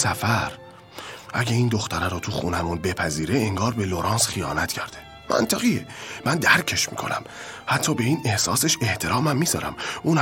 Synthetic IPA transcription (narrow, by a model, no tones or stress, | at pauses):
sæfæɾ | ʔæ̰ɟeiːnd̪o̞xt̪æɾæɾɔːt̪ʰuxṵːnæmunbe̞pʰæziːɾeːŋɡɒːɾbeloɾɑːnsχijɒːnæt̪ʰcʰæɾd̪̥e | mæ̰nt̪ʰæɣijemænd̪æɾcʰe̞ʃmḭːkʰo̞̰næ̰mhæt̪ʰːɒːbe̞iːne̞hsɒːseʃe̞ht̪ʰe̞ɾɒːmæmːiːzɒːɾæ̰mʔuːn